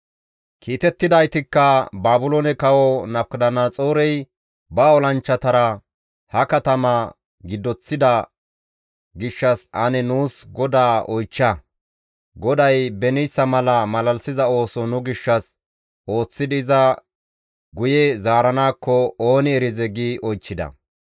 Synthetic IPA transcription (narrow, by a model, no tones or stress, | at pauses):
kʰiːt̪ɛt̪ːɪd̪ɐjt̪ɪkːɐbaːbʊlonɛkɐwɔnɐkd̪ɐnɐt͡sʼoːɾɛj | bɐɔlɐnt͡ʃːɐt̪ɐɾɐ | hɐkɐt̪ɐmɐ | ɡɪd̪ːɔt͡sːɪd̪ɐ | ɡɪʃːɐsɐnɛnuːsɡɔd̪aːɔjt͡ʃːɐ | ɡɔd̪ɐjbɛnɪjsːɐmɐlɐmɐlɐlsɪzɐo̞ːsɔnʊɡɪʃːɐs | o̞ːt͡sːɪd̪ɪzɐ | ɡʊjɛzaːɾɐnaːkːɔo̞ːnɪɛɾɪzɛɡiʔɔjt͡ʃːɪd̪ɐ̰